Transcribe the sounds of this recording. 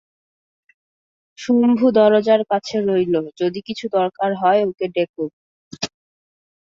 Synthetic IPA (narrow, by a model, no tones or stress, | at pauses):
ʃumbʱud̪ɔɾod͡ʑaɾkat͡ɕʰeɾojlod͡ʑod̪ikit͡ɕʰud̪ɔɾkaɾɦɔeokeɖek̚ʰo